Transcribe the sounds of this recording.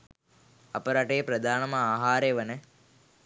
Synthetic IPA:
ɐ̰pəɾaʈejːpɾɐd̪ʱaːnɐməaːɦaːɾeʋənə

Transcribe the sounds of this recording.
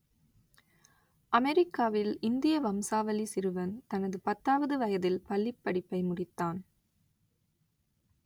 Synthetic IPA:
ʔɐmɛɾɪkːaːʋɪlɪnd̪ɪjɐʋɐmsaːʋɐlisɪɾɯʋɐnt̪ɐnɐðɯpɐt̪ːaːʋɐðɯʋɐjɐðɪlpɐlːɪpːɐɽɪpːɐɪmʊɽɪt̪ːaːn

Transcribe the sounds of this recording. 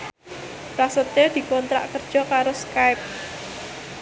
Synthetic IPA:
pɾasət̪ed̪̥i̤kɔnt̪ɾa̰ʔkərd̥ʒ̥ɔ̤kaɾoskaɪp̚

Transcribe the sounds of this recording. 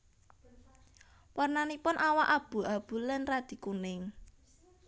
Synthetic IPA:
warnanipʊnʔawaʔab̥ṳab̥ṳlɛnrad̪̥i̤kunɪŋ

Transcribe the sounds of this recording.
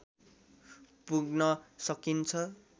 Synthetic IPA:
puɡnʌsʌkint͡sʰʌ

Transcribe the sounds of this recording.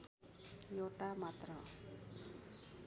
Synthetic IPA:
jowʈamat̪rʌ

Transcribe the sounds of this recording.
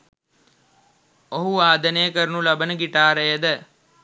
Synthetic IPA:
oɦuʋaːd̪ənejːkəɾnulɐbənəɡiʈaːɾəjəd̪ə

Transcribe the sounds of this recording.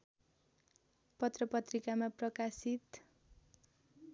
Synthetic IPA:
pʌt̪rʌpʌt̪rikamaprʌkasit̪

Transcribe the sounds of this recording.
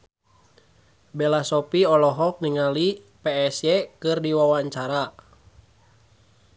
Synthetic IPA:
bɛlasɔpiɔlɔɦɔk̚niŋali | pɛɛsjɛkɨrdiwawaɲt͡ʃaɾa

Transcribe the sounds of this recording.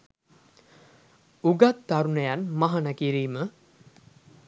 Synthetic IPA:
uɡat̪ːaɾunəjanmaɦanəkiɾiːmə

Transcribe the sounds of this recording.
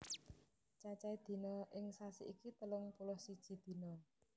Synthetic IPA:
t͡ʃat͡ʃaid̪̥i̤nɔʔɪŋsasḭʔikit̪əlʊŋpulʊhsid̥ʒ̥i̤d̪̥i̤nɔ

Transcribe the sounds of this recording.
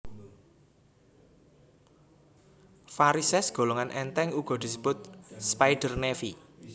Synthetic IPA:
faɾisɛsɡ̥o̤loŋanʔɛnt̪ɛŋuɡ̥ɔ̤d̪̥i̤səb̥ʊt̪̚spajɖ̥ərnefi

